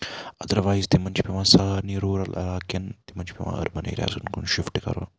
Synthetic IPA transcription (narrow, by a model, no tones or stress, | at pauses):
ɐd̪ɐɾʋaːizt̪imɐnt͡ʃʰipiʋãːsaːniɾoːɾɐlɐ̰ɾaːkɐnt̪imɐnt͡ʃʰpiʋã̰ːɐ̰ɾbɐnḛːɾja̰ːsunkunʃɪfʈkɐ̰ɾo̰ː